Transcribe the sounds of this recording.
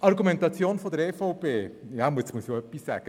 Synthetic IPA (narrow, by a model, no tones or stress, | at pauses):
ʔɑɾɡumɛnt̪ɑt͡sjoːnfod̪əɾɛfɔʊpeːjɑmuəsmuəsjoœpːisːæ̰ːɡ̥ə